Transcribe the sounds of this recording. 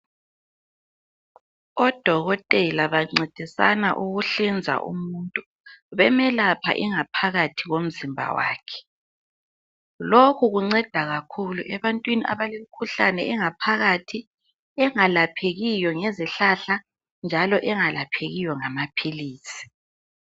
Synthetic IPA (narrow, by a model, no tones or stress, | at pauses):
ɔd̥ʱɔɣɔtʼɛlaβaŋ͡ǀed̥ʱisa̰na̰ʔuɣuɬind͡zʱa̰ʔṵmuntʼu | βɛmɛlapʰa̰ʔiŋapʰaɣatʰiɣom̩zimbʱa̰wa̰ːkʰɛ̥ | lokʰuɣuŋ͡ǀɛd̥ʱaɣakʰuluʔɛβantʼwiniʔa̰βalem̩kʰuɬanɛɛŋapʰaɣatʰi | ɛŋalapʰeɣijɔŋɛziɬaɬa | nd͡ʒʱalɔʔɛŋalapʰeɣijɔŋamapʰiliːsi̥